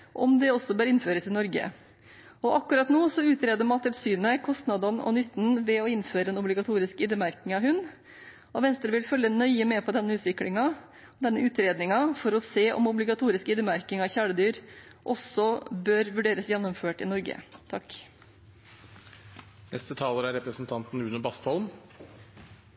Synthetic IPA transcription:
ʔɔ̰md̪ɛɔsːɔbøːɾɪnføːɾəsɪnɔɾɡə̰ | ɔʔɑkːʉɾɑt̪noːsɔʉːt̪ɾeːd̪əɾmɑnt̪ʰɪlsyːnəkʰɔst̪nɑd̪ɑnɔ̰nʏt̪ːn̩ʋɛɔɪnføːɾəɛnɔblɪɡɑt̪ʰuːɾɪskɪd̪əmæɾkɪŋɑʋɦʉnː | ɔʋɛnst̪ɾəʋɪlfœlːənœʏəmɛpʰɔd̪ɛnːəʉːt̪ʋɪklɪŋɑ | d̪ɛnːəʉːt̪ɾeːd̪nɪŋɑfɔɾɔseːʔɔ̰mɔblɪɡɑt̪ʰuːɾɪskɪd̪ɾəmæɾkɪŋɑʋçæːɽəd̪yːɾ | ʔɔsɔbøːɾʋʉɖeːɾəsjɛnːɔmføːʈɪnɔɾɡə̰t̪ʰɑk | nɛst̪ət̪ʰɑːləɾæɾɛpɾəsnt̪ʰɑnt̪n̩ʉːnəbɑst̪ɔlm

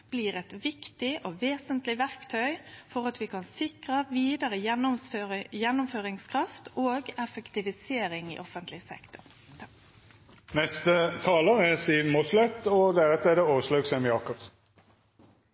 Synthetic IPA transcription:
b̥liːʁɛt̪ʋɪkt̪ɪʔoːʋeːsənt̪lɪʋæʁkt̪ʰœʏfɔʁɑt̪ʋɪkʰɑnsɪkʁəʋiːd̪əɾəjɛnːʊmjɛnːʊmføːʁɪŋskʰɾɑft̪oːɡɛfɛkt̪ɪʋɪseːɾɪŋɪ̰ʔɔfənt̪lɪsɛ̰kt̪ʊʁ | nɛst̪ət̪ʰɑːləʁɛsiːmɔslɛt̪ːɔd̪æʁɛt̪əɛd̪ɛoːʋəʂlɑːɡsɛmjɑːkɔpsn̩

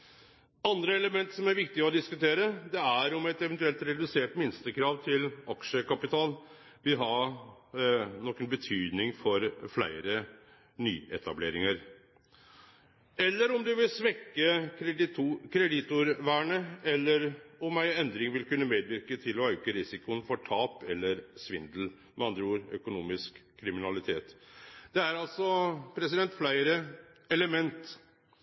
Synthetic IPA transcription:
ɑnd̪ɾəɛləmɛnt̪sɔmæɾʋɪkt̪ɪɔd̪ɪskʉt̪ʰeːɾəd̪ɛæɾɔmɛt̪ɛʋɛnt̪ʉɛlt̪ɾɛd̪ʉseːʈmɪnst̪əkʰɾɑːʋt̪ʰɪlɑkʂəkɑpɪt̪ʰɑːl | ʋɪlɦɑ | nɔkːənbət̪ʰyːd̪nɪŋfɔɾflæ̰ɪəɾə | ny̰ːɛ̰t̪ɑ̰blḛːɾɪŋəɾ | ɛlːəɾɔmd̪ʉʋɪlsʋɛkːə | kʰɾɛd̪ɪt̪ʊɾʋæːɳəɛlːəɾɔmæɪɛnd̪ɾɪŋʋɪlkʉnːəmeːd̪ʋɪɾkət̪ʰɪlɔɑkəɾɪsɪkʊənfɔʈʰɑːpɛlːəɾsʋɪnd̪l̩ | mɛɑnd̪ɾuːɾœ̰kʊnuːmɪskʰːɾɪmɪnɑlɪt̪ʰeːt̪d̪̥ɛæɾɑlsɔpʰɾɛsɪd̪ɛnt̪flæɪɾəɛləmɛnt̪

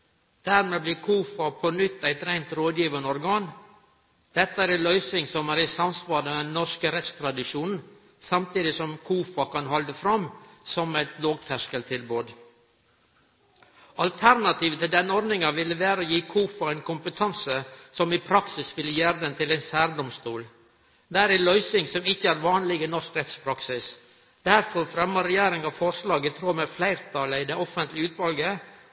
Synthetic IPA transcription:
d̪̥æːɾmeːblɪːkʰuːfɑpʰɔnʏt̪ːæɪt̪ɾæɪnt̪ɾoːd̪jiːʋənəɔɾɡɑːn | d̪̥ɛt̪ːəæːɾɛlœʏsɪŋsɔmæːɾɪsɑmsʋɑːɾd̪ɛnːɔʂkəɾɛt̪st̪ʰɾɑd̪ɪʂuːnn̩ | sɑmt̪ʰiːd̪ɪsɔmkʰuːfɑkɑnhɔld̪əfɾɑmsɔmæɪt̪loːɡ̚t̪ʰæʂkəlt̪ʰɪlboːd̪ | ɑlt̪ʰæɾnɑt̪ʰiːʋət̪ɪld̪ɛnːəɔɾnɪŋɑʋɪləʋæːɾəəjiːkʰuːfɑɛɪnkʊmpət̪ʰɑnsəsɔmɪpʰɾɑksɪsʋɪljeːɾd̪ɛnt̪ʰɪlæɪnsæːɾd̪ɔmst̪uːl | d̪æɾɪlœʏsɪŋsɔmɪçːəæːɾʋɑːnlɪɡənɔskɾɛt̪spʰɾɑksɪs | d̪æɾfɔɾfɾɛmːəɾɛjeːɾɪŋɑʋfɔɾʂlɑːɡət̪ʰɾuːmɛflæɪɾt̪ʰɑləɪd̪ɛɔfənt̪lɪʉːt̪ʰʋɑlɡə

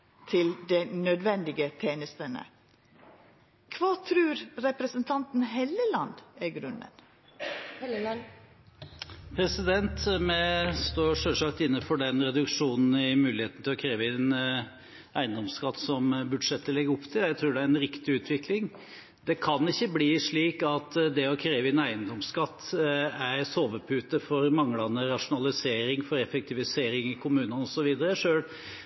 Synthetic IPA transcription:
t̪ʰɪld̪ɛnœd̪ʋɛnd̪ɪɡət̪ʰeːnəst̪ənə̰ | kʰʋɑːt̪ʰɾʉːɾɾɛpɾɛsənt̪ʰɑnt̪n̩ɦeːləlɑnd̪æɡɾʉnːə̰n | pʰɾɛsɪd̪ɛnt̪mɛst̪oːɾʂøːʂɑk̚t̪ɪnːəfɔɖɛnɾɛd̪ʉkʂuːnn̩ɪmʉːlɪheːt̪n̩t̪ʰɪlɔkʰɾeːʋəɛn | ʔæɪənd̪ɔmskɑt̪ːsɔmbʉd̪ʂɛt̪ːəlɪɡːəʊpt̪ʰɪljæɪt̪ʰɾuːɖɛæɾɛnɾɪkt̪ɪʉːt̪ʰʋɪklɪŋ | d̪ɛkʰɑnɪçːəbliːʂɭiːkɑt̪d̪ɛɔkʰɾeːʋəɛnæɪənd̪ɔmskɑt̪ːæɾsoːʋəpʰʉːt̪əfɔɾmɑŋːlɑnəɾɑʂʊnɑlɪseːɾɪŋfɔɾɛfɛk̚t̪ʰɪʋɪseːɾɪŋɪkʰʊmʉːnənɔsɔʋiːd̪əɾəʂøːl

